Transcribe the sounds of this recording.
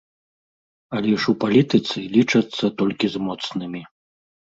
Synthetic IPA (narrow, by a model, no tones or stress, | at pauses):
ɐlʲɛuʂupalʲit̪ɨt̪sɨlʲit͡ʂɐt̪sːɐt̪ɔlʲkʲizmɔt̪snɨmʲi